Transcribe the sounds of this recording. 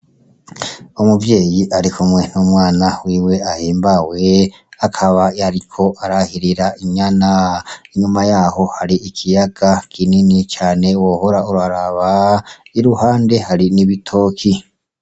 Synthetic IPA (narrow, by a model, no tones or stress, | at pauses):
umuvje̞ːjiʔaɾikʰumŋe̞n̥umwaːnawiːwe̞ahiːmbawe | akʰaβaaɾikʰo̞ʔaɾahiɾiɾaʔiɲanaiɲumajaːho̞haɾiːkʰijaɡ̥akʰininit͡ʃaːne̞wohoɾauɾaɾaβaiɾuhaːnde̞haɾiniβitʰo̞ːkʰi